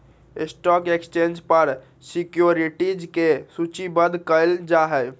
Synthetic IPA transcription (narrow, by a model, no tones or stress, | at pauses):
ɪsʈɔːkekst͡ʃẽːnd͡ʒpəɾ | sikjoɾiʈid͡ʒkesut͡ʃibəd̪ʱkəɪld͡ʒaɦɛj